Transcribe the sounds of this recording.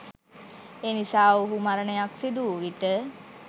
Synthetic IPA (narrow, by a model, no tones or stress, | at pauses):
eːnisaːuɦumaɾənəjaksid̪uːʋiʈə